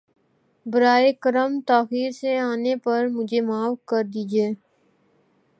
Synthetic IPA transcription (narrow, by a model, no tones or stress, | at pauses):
bəɾaːekəɾəmt̪aːxiːɾseaːnepɐɾmʊd͡ʒʱemaːʋkəɾd̪iːd͡ʒieː